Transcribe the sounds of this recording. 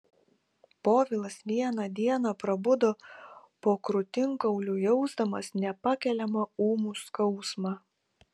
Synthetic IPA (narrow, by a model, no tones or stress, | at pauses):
poːʋʲɪlˠɐsʋʲiɛnɐd̪ʲiɛnɐpɾɐbʊd̪opoːkɾʊt̪ʲɪŋkɐʊlʲuːjɔʊzd̪ɐmɐsnʲɛpɐkʲɛlʲɛmɐuːmuːskɐʊsmɑː